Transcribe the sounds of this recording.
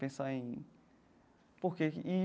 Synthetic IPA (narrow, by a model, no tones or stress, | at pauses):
pẽsaẽ | pohkei